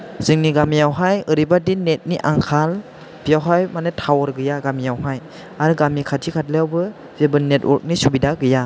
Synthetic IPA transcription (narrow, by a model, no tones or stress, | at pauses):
z̥ɯŋniɡamijawɦajɯɾibadinet̚niʔaŋkʰal | b̥ijawɦajmanetʰawɔɾɡɯjaɡamijawɦaj | aɾɯɡamikʰatʰikʰat̚lejawbɯ | bebɯnːetwɔɾk̚nisubidaɡɯja